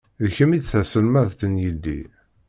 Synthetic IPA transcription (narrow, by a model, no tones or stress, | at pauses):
ðçəmid̪θæsəlmæðt̪ənjidːḭ